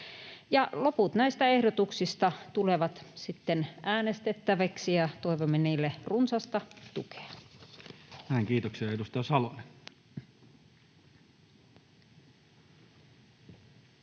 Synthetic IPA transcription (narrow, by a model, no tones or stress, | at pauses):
jɑloput̪næist̪æehdot̪uksist̪ɑt̪uleʋɑt̪sit̪ːenʔæːnest̪et̪ːæʋæksijɑt̪oiʋomːeniːlːerunsɑst̪ɑt̪ṵke̥ɑ̥ | hæeŋkiːt̪oksiɑedust̪ɑjɑsɑlone